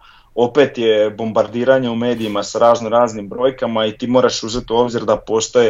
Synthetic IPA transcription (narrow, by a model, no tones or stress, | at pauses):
o̞pe̞t̪jebo̞mbaɾd̪iːɾaɲe̞ume̞ːd̪ijimasaɾaːznoɾaːznimbɾo̞ːjkamait̪iːmo̞ːɾaʃuze̞t̪uo̞bziɾd̪apo̞st̪o̞je